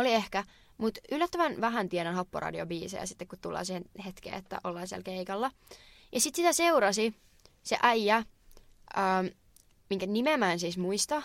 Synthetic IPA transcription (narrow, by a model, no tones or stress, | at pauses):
oliehkæ | mut̪ylːæt̪ːəʋænʋæɦænt̪ienænhopːo̰rɑ̰dio̰biːsḛjɑ̰sit̪ːekkut̪tulːɑ̰ːsiːhenhet̪kḛːet̪ːæ̰ʔolːɑːnsiæ̰lkeikɑlːɑ | jɑsit̪sit̪æseuɾɑsi | sḛʔɑjːɑ | ʔəːm | miŋkænimemæːnsiːsmuist̪ɑ